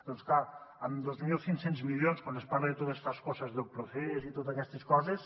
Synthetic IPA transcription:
d̪̥onsklaəmd̪ozmilˠsinsenzmiljonskwand̪espaɾeðet̪ot̪est̪askɔsəzðelpɾoθezit̪ot̪zakɛst̪eskɔzes

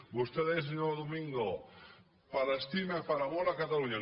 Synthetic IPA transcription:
bost̪eðees̬eɲoðomĩŋɡo | paɾaest̪imaepaɾamolakat̪aluɲa

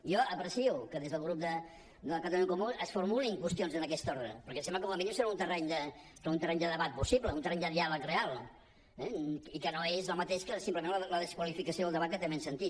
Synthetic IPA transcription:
iɔəpɾəsiukəðezðəlˠɣ̞ɾup̚d̪ə | d̪əlkat̪alukomuəsfuɾmuliŋkwəst̪ionzənəkɛst̪ɔɾðɾə̰pəɾkɛsɛmbləkoməminimsəɾaunt̪ərɛɲd̪ə | aunt̪ərɛɲd̪əðəβat̪̚pusiβləunt̪ərɛɲd̪əðialəkrealˠ | ɛikənoezɔmət̪eʃkəsimpləmenlələðəskwəlifikəsioəlˠd̪əβat̪̚kət̪emensənt̪it̪

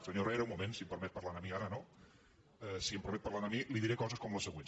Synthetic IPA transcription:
səɲorɛɾeumumẽnsimpəɾmɛt̪̚pəɾlanəmiaɾəno | ɛsiəmpɾmɛt̪̚pəɾlanəmiliðiɾekɔzəskɔmləsəɣwen

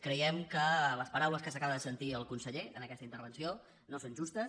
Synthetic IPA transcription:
kɾəjɛmkələspəɾawləskəsəkaβəðəsənt̪iəlˠkunsəʎeənəkɛst̪əint̪əɾβənsio | nosonʒust̪əs

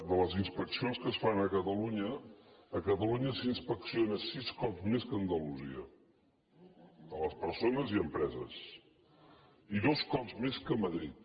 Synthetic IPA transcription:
d̪ələzinspəksionskəsfanəkət̪əluɲəː | kət̪əluɲəsinspəksionəsiskɔpzmeskənd̪əluziə | ələspəɾsonəziəmpɾɛzəs | iðoskɔpzmeskəməðɾḭt̪̚

